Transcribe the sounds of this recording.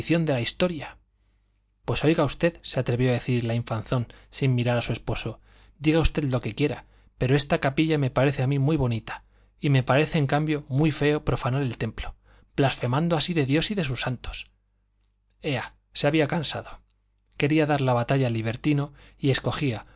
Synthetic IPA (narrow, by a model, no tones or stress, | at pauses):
θjo̞nd̪e̞laist̪o̞ɾja | pwe̞so̞jɣaust̪e̞ðseat̪ɾe̞βjo̞aðe̞θiɾlaiɱfanθo̞nsimːiɾaɾasue̞spo̞so̞ | d̪iɣaust̪e̞ðlo̞kekje̞ɾa | pe̞ɾo̞e̞st̪akapiʎame̞paɾe̞θeamimwijβ̞o̞nit̪ḁ | ime̞paɾe̞θeːŋkambjomwijfe̞o̞pɾo̞fanaɾe̞lt̪e̞mplo̞ | b̥lasfe̞mãnd̪oasiðe̞ðjosiðe̞s̬usant̪o̞̥s | e̞a | seaβiakansa̰ðo | ke̞ɾiaðaɾlaβat̪aʎaliβ̞e̞ɾt̪ino̞ie̞sko̞xia